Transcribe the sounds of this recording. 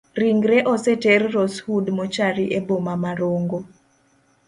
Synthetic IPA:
riŋɡɾeʔɔsɛtɛrːɔshudmɔt͡ʃaɾiʔebomamaɾoŋɡo

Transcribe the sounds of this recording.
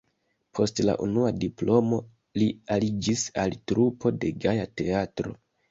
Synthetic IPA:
pʰo̞stla̰ʔunuadiplo̞mo̞ | lialid͡ʒisaltɾupʰo̞de̞ɡajate̞atɾo̞̰

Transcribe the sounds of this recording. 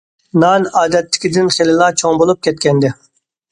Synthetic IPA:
nɑnɑːd̪ɛt̪ːɪ̥kʲid̪ɪnχelɪlˠɑt͡ʃʰoŋbolˠup̚kʲʰɛt̪̚kʲɛnd̪ɪ

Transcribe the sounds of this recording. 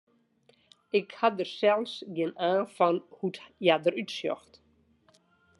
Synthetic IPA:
ɪkhaðəɾ̥sɛlsjɪnaːfanhut̪jaðəɾyt̪sjɔ̰xt̪

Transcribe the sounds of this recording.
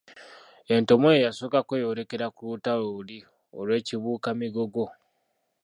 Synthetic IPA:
e̞nto̞mojejasoːkakejoɾe̞ke̞ɾakulutaloːli | o̰lwe̞ːciβuːkamiɡo̞ɡo̞

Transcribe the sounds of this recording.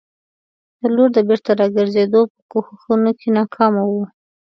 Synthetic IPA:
d̪̥əloɾd̪əbɪɾt̪aɾɑɡəɾzed̪opə̥koxəxunokʰenɑkʰɑmawu

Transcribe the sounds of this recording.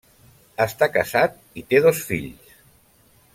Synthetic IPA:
əst̪akəsat̪̚ | it̪eðosfḭʎs

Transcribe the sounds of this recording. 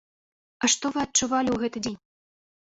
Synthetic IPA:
aʂt̪ɔvɨɐt̚t͡ʂuvalʲiwɣɛt̪ɨd͡zʲenʲ

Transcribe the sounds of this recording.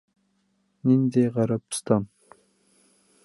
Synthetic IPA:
nʲind̪eʁɑɾɑpst̪ɑn

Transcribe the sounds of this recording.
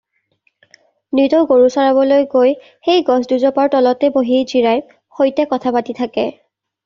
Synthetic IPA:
nitɔɡoɹusaɹaβɔlojɡoj | xejɡɔsduzɔpaɹtɔlɔtɛboɦijziɹaj | xojtɛkɔtʰapatitʰakɛ

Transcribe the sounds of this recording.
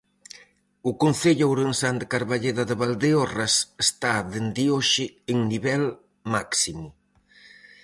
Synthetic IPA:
ʊkon̟θeʎʊawɾensand̪ekaɾβaʎeðaðeβald̪eorasest̪aðend̪ioʃɪːŋniβɛl | maksimʊ

